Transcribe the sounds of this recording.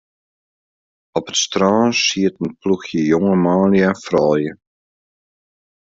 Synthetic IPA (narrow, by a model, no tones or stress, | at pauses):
ɔpətstraːnsiətənpluxjəjɔŋəmaːljɛnfrɔːjə